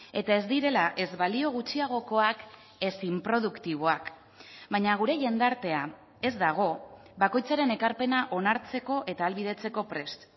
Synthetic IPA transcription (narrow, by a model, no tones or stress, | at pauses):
e̞t̪ae̞zd̪iɾe̞laʔe̞zβalio̞ɣ̞ut͡ʃiaɣ̞o̞ko̞ak | e̞simpɾo̞ð̞ukt̪iβ̞o̞ak | βajɲaɣ̞uɾe̞ʝe̞nd̪aɾt̪e̞a | e̞zd̪aɣ̞o̞ | βako̞jt͡saɾe̞ne̞kaɾpe̞naʔo̞naɾt͡se̞ko̞ʔe̞t̪aːlβið̞e̞t͡se̞ko̞pɾe̞st̪